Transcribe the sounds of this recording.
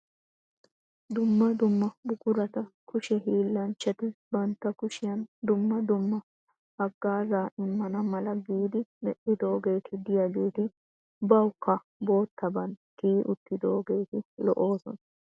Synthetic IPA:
d̪ʊmːɐd̪ʊmːɐbʊkʊɾɐt̪ɐkʰʊʃɛɦiːlːɐnt͡ʃːɐt̪ɪbɐnt̪ːɐkʊʃɪjɐnd̪ʊmːɐd̪ʊmːɐ | hɐɡːaːzaːʔɪmːɐnɐmɐlɐɡiːd̪ɪmɛʔɪd̪o̞ːɡe̞ːt̪ɪd̪ɪjɐɡeːt̪ɪ | bɐwkːɐ | bo̞ːt̪ːɐbɐnkiːʔʊt̪ːɪd̪o̞ːɡe̞ːt̪ɪlɔ̰ʔo̞ːsɔ̰nɐ

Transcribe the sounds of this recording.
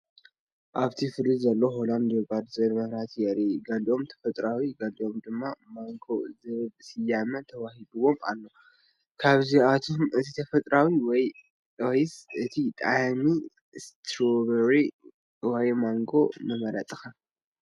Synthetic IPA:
ʔaβt̪ʰifɨlːɨd̪zɐlːo̞ɦoland̪obad̪zɐlmɐhɾat̪jɛɾiɡɐliʔo̞mt̪ʰɐ̥fɐt̪ʼɾawiɡɐliʔo̞md̪ɨmːamaŋɡo̞zɨβɨbsɨjamɐt̪ʰɐwahidɨβo̞ma̰lːo̞ | kʰaβziat̪ʰo̞mɨt̪ʰit̪ʰɐfɐt̪ʼɾawiwɔj | ojsɨt̪ʰit̪ʼami | st̪ʰɾoβɐɾi | wɔjmaŋɡo̞nɨmɐɾat̪ʼɨxa

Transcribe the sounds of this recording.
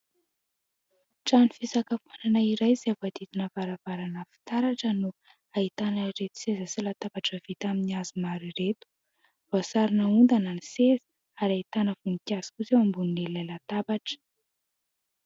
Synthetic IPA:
ʈ͡ʂanifisakəfananaiɾajzevad̪it̪inəvaɾavaɾanəfi̥t̪aɾaʈ͡ʂənu | ait̪anəɾet̪u̥sezasilat̪abaʈ͡ʂəv̥it̪aminiaz̥imaɾiret̪u̥ | v̥asaɾinəund̪ananisezə̥ | aɾait̪anəvunikʲazi̥kuzewambunilellajlat̪abaʈ͡ʂə̥

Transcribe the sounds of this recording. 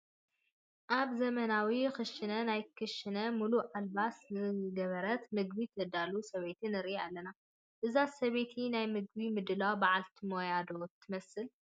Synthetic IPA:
ʔaβzɐmɐnawixɨʃɨnɐnajkʰɨʃɨnɐmuluʕalbasɨɡɐβɐɾɐt̪mɨɡbit̪ʰɐd̪alusɐβe̞t̪ʰɨnɨɾialːɐna | ʔɨzasɐβe̞t̪ʰinajmɨɡ̚bimɨd̪ɨlawbaʕalt̪ʰimojad̪ot̪ʰːɨmɐsɨl

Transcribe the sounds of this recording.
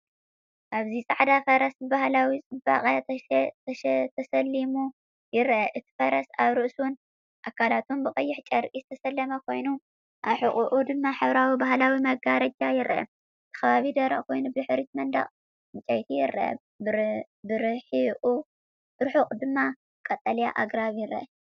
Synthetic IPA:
ʔaβzisʼaʕd̪afɐɾɐsbɨβahlawit͡sʼɨba̰χʼaɐʃt̪ʰɐsɐlːimu | jɪɾʔɐʔɨt̪ʰi̥fɐɾɐsaβɾɨʔsun | ʔakʰːalat̪ʰumbɨkʼɐjːɪħt͡ʃʼɐɾʔizɨt̪ʰɐsɐlːɐmɐkʰo̞jnu | ʔaβħɨχʼuʔud̪ɨmːaħɨβɾawibahlawimɐɡaɾɐd͡ʒajɪɾʔɐ̰ | ɨt̪ʰɨ̥xɐβaβid̪ɐɾɐʔʼkʰo̞jnubɨħɨɾit̪̚mɐnd̪a̰χʼ | mɨt͡ʃʼajt̪ʰijɪɾʔɐ̰ | bɨɾɨħiʔʼu̥ | ɨɾħuqʼd̪ɨmːa | kʼɐt̪ʼːɐlja̰ʔaɡɾaβjɪɾʔɐ

